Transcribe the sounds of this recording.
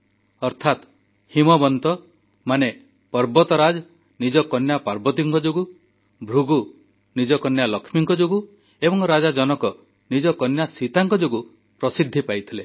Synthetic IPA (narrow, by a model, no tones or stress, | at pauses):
ɔɾt̪ʰat̪ | himɔbɔnt̪ɔ | mane | pɔɾbɔt̪ɔɾad͡ʒ | nid͡ʒɔkɔnjapaɾbɔt̪̬iŋkɔd͡ʒuɡu | bʱɾuɡu | nid͡ʒɔkɔnjalɔkʰmiŋkɔd͡ʒuɡu | ebɔŋɾad͡ʒad͡ʒɔnɔkɔ | nid͡ʒɔkɔnjasit̪aŋkɔd͡ʒuɡu | pɾɔsid̪ʱːipajt̪ʰile